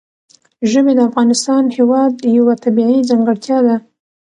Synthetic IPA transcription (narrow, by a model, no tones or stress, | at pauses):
ʒəbed̪əafɣɑnɪst̪ɑnhewɑd̪jawat̪abiʕid͡zaŋɡəɽt̪jɑd̪a